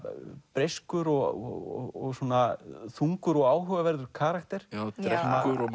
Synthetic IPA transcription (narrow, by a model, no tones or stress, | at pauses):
pɾejskʏɾɔɣɔ̰ɔ̰ɔɣswɔːnaθuŋkʏɾɔɣaːwɦœːɣavɛɾðʏɾ̥kʰaːɾakt̪ɛɾ̥jaɾɛakʏɾɔ